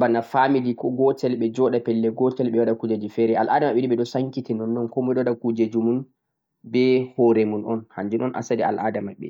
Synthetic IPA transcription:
banafamidikɔɡɔtɛlɓɛd͡ʒɔɗapɛlːɛɡɔtɛlɓɛwaɗakud͡ʒad͡ʒifɛɾɛalʔaːdamaɓɛɗiɓɛɗɔsaŋkitinɔnːɔnkɔmɛɗɔwaɗakud͡ʒad͡ʒumun | bɛhɔɾɛmunɔnhaɲd͡ʒunɔnʔa̰sadɛa̰lʔadamaɓɛ̰

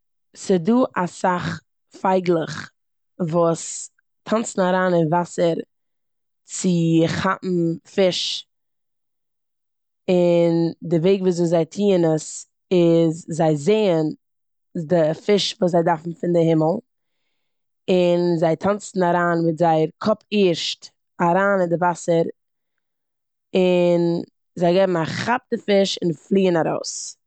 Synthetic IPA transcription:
sɪduːʔasaχ | faɪɡlˠəχ | vuːs | tʰant͡sn̩aɾaːnɪnvasəɾ | t͡sɪχapm̩fɪʃ | ɪndɪveɪɡvuːs̬ɪːzaɪtʰiːənəs | ɪzzaɪzeɪən | sdɪfɪʃvuːszaɪdaɾfn̩fɪndɪhɪməl̩ˠ | ɪnzaɪtʰant͡sn̩aɾaːnvɪzaɪɾkʰɔpiːɾʃt | aɾaːnɪndɪvasəɾ | ɪn | zaɪɡɛbm̩aχap̚dɪfɪʃɪnflˠiːənaɾo̰ʊs

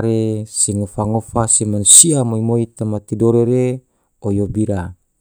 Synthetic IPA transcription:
ɾeseŋofaŋofasemanusiamoimoit̪amat̪idoɾeɾe | ojobiɾa

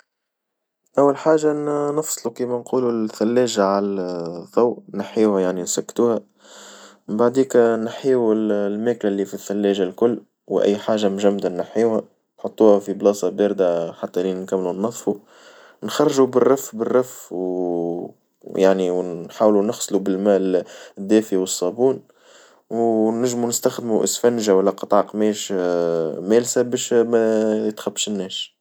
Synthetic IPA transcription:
ʔawːalħaːʒanɑfsˤlukiːmænquːluθælːɛːʒaʕalðˤɑwnaħiːwhæjaʕninsækːt̪uːhæ | mbaʕd̪iːknħiːwlmæːklælːiːfiθːælːɛːʒalkʊlː | wʔæ̰jːħaːʒːamʒæmːd̪ænɪħiːwhæ | nħot̪ˤːuːhæfiblɑːsˤɑbeːɾd̪aħat̪ːælinkæmːlunːɑðˤfu | nxɑrˤːʒubɪrˤːɑfbərˤːɑfw | jaʕniwnħaːwlunɪxsˤlubɪlmæːld̪ːæːfiwəsˤːɑːbuːn | wnɪʒːmunɪst̪æxd̪muʔɪ̰sfænʒawælːæqɑt̪ˤɑʕɑqmɛːʃ | mæːlsæbɛːʃmæjɪt̪xæbːʃɪnːɛːʃ

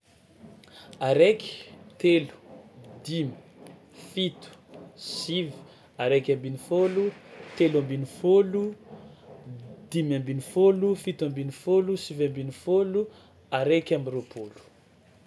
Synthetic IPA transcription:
aɾeki̥t̪elu̥d̪imi | fit̪u̥sivi̥ | aɾekʲãmbinifolut̪elãmbinifolu | d̪imambinifolufit̪uambinifolusivãmbinifolu | aɾekʲambiɾopʰolu̥

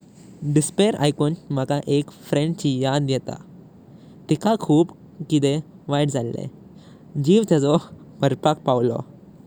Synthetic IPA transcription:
ɖispeɾʔa̰jkunm̤akaʔekfɾẽɳɖt͡ɕijad̪jɛt̪a̰ | t̪ikakʰuːp | kid̪eʋajʈd͡zʱalːḛ̃ | d͡ʑiːʋt̪ad͡zɔbəɾpak̚pawlɔ̰

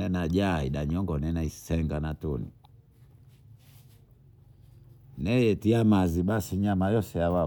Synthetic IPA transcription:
ɛnaʄaiɗaɲɔŋɡɔnɛnaisɛŋɡanatɔnḭ | nɛjɛtiamaziɓasiɲamajɔsɛjawa

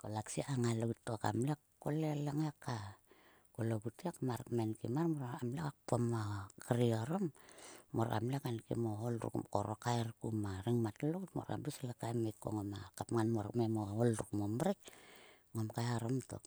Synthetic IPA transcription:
kolaksiaŋaloɡutːoka̰mlekː | olelaŋaka | koloɡutiakmaɾkmenkimarmoɾaamlekakpomakaɾioɾomːoɾa̰mlekankḭmoolɾṵkkoɾokajrkumaɾiŋmatloɡutmo̰ɾa̰mlislakajmekːo̰ŋomakapŋanmoɾ̰kmemoolɾukmomɾik̚ | ŋomkajaɾomto̰k

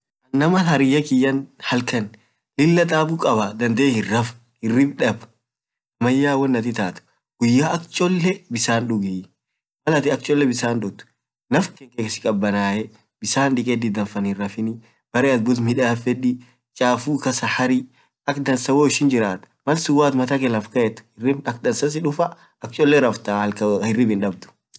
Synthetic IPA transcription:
ʔɐnːɐmɐhɐɾɪjːɐkɪjːɐnhɐlkɐn | lɪlːɐt̪ʼaːbukʼɐbad̪ɐnd̪eːhɪrɐf | hɪrːɪbᶑɐb | ɐmɐjːaːwɔnːɐt̪ɪt̪aːt̪ʊ̥ | ɡ̥ʊjːaːʔɐkt͡ʃʼɔlːɛbɪsaːnᶑʊɡiː | mɐlɐt̪ɪɐk̚t͡ʃʼɔlːɛbɪsaːnd̪ɔt̪ʊ̥ | nɐfkɛŋkeːkɐsɪ̥kʼɐbːɐnaːjɛ | bɪsaːnᶑɪkʼɛd̪ɪd̪ɐnfɐnɪrːɐfɪnɪ | b̥ɐɾɛɐt̪̚bʊt̪mɪᶑaːfɛᶑi | t͡ʃʼaːfuːkɐsɐhɐɾɪ | ɐkd̪ɐnsɐwoːɪʃɪnd͡ʒɪɾaːt̪ʊ̥mɐlsʊwaːt̪mɐt̪ɐkɛlɐfkɐjɛt̪ːʊ̥hɪrːɪɐk̚d̪ɐnsɐs̬ɪᶑʊfɐ | ɐk̚t͡ʃʼɔlːɛɾɐft̪aːɐlkɐɪrːɪbɪnᶑɐbd̪ʊ̥

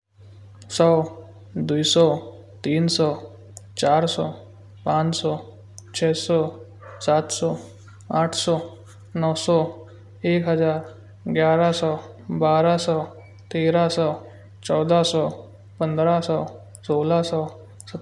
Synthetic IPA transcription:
sɔ | d̪ujsɔ | t̪iːnsɔ | t͡ʃaɾsɔ | pãt͡ʃsɔ | t͡ʃʰɛsɔ | sat̪ʰsɔ | aʈʰsɔ | nɔwsɔ | ekɦəd͡ʒaːɾ | ɡjaɾasɔ | baɾasɔ | t̪eɾasɔ | t͡ʃɔwd̪ʱasɔ | pənd̪ɾasɔ | solasɔ | sə

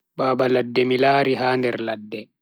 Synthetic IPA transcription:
baːbaladːɛmilaːɾiɦaːndɛɾladːɛ

